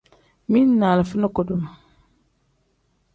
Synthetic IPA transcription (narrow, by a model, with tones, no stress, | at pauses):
mi˦nː˦aː˨la˨fə˦na˦ko˨du˦ma˨